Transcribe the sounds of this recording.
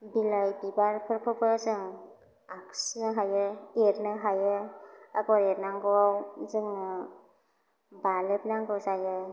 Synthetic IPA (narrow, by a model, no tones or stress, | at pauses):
bilajbibaɾpʰɯɾpʰɯbɯzɯŋ | aksnɯɦajɯeɾnɯɦajɯaɡɔɾeɾnaŋɡɔawzɯŋnɯ | balep̚naŋɡɯzajɯ